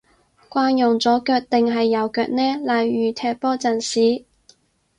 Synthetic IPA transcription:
kʷaː˧njʊ˨˩ŋt͡sɔː˨˥kœː˧k̚t̪ɪ˨ŋɦɐ˨jːɐ˨˧wkœː˧k̚nɛː˥laː˨˧jjyː˨˩t̪ʰɛː˧k̚pɔː˥t͡sɐ˨˩nsiː˨˥

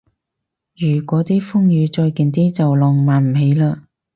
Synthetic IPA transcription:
jyː˨˩kʷɔː˨˥t̪iː˥fʊ˥ŋjyː˨˧t͡ʃɔː˧jkiː˨nt̪iː˥t͡sɐ˨wlɔː˨˩ŋmaː˨nm̩˨˩ɦe˨˥jlaː˧

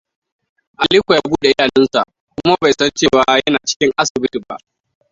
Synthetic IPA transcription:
ʔa˨liː˦kʷjaa˦buː˦ɗe˨jaː˨nɛ˦nsa̰˨ʔ | kʷʊ˦ma˦ba˨jsɐ˦nt͡ʃeː˦˨waː˨˦jɐ˦naː˨t͡ʃɪ̥˦kʲɪ˦ŋʔa˦sɪ˨bɪ˦ti˨ba̰˦ʔ

